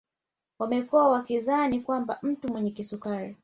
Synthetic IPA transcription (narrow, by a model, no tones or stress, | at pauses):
wamɛkuawakiðanikwambam̩tumwɛɲɛkisukaɾi